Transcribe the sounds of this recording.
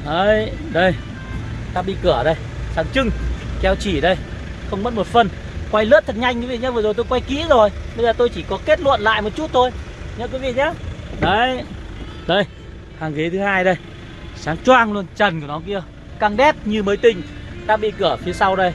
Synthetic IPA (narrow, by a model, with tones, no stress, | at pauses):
ʔə˨˧jɗə˧j | t̪aː˧ɓḭ˧˨kɨ˧˩əɗə˧j | saː˨˦ŋt͡ɕɨ˧ŋkɛ˧wt͡ɕi˧˩ɗə˧j | xə˧wŋ͡mmə˦˥t̚mo˨˩t̚fə˧n | kwa˧jlə̰˦˥t̚t̪ʰə˨˩t̚ɲa˧jŋki˨˦vḭ˧˨˩ɲaː˧˦və˨˦zo˨˩t̪o˧jkwa˧jkḭ˧˥əzo˨˩jɓə˧jzaː˨˩t̪o˧jt͡ɕi˧˩kɔ˨˦ke˦˥t̚lwə̰˧˨nla̰ː˧˨jmo˨˩t̚t͡ɕu˦˥t̚t̪ʰo˧jɲə˧˦˥k̬wi˨˦vḭ˧˨ɲaː˨˦ɗə˨˦j | ɗə˧˩j | haː˨˩ŋɣi˨˦t̪ʰɨ˨˦haː˧jɗə˧j | saː˨˦ŋt͡ɕwaː˧ŋlu˧ənt͡ɕə˨˩nku˧˩nɔ˨˦ki˧ə | kaː˧ŋɗɛ˦˥t̚ɲɨ˧məː˨˦jt̪ï˨˩ŋ̟t̪aː˧ɓḭ˧˨kɨ˧˩əfi˨˦əsa˧wɗə˧j